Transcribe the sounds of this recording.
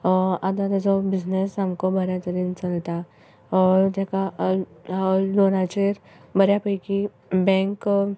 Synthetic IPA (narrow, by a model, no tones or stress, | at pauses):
ad̪ad̪d͡ʒobɪznesɦɐmkobɐɾjat̪əɾiːnt͡ʃɐlt̪a | ɔːɾd͡ʒɛka | doːɾat͡ʃeɾ | bɐɾjapəjki | bɛ̃ːŋk